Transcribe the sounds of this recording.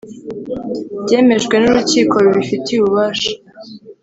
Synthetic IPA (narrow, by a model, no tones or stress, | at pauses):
bɟe̞ːme̞ʒɡwe̞nuɾuciːko̞uβifitiuβuβaːʃḁ